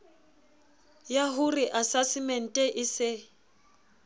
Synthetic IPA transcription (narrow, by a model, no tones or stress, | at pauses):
jaɦuriʔasasɪmɛn̩tʼɛʔɪsɪ